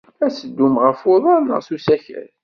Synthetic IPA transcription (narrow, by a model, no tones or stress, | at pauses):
æsəd̪ːumʁəfoðˤɑɾnə̰ʁθusæçə̰ɾ